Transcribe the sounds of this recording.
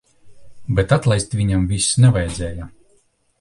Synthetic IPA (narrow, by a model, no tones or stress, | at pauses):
bʲɛt̪at̪lˠajst̪vʲiɲamvʲisnɛvajɛd̪zʲɛːja